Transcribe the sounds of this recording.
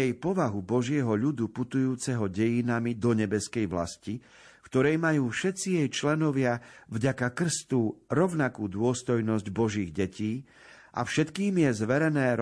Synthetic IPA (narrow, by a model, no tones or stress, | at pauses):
jɛjpɔʋaɦubɔʒɪɛɦɔʎud̪uput̪ujuːt͡sɛɦɔɟɛjinamid̪ɔɲɛbɛskɛjʋla̰sci | kt̪ɔɾɛjmajuːfʃɛt̪t͡sijɛjt͡ʃlɛnɔʋɪavɟakakr̩st̪uːɾɔʊnakuːd̪ʊɔst̪ɔjnɔzɟbɔʒiːɣɟɛcʰiː | ʔa̰fʃɛt̪kiːmjɛzʋɛɾɛnɛːɾ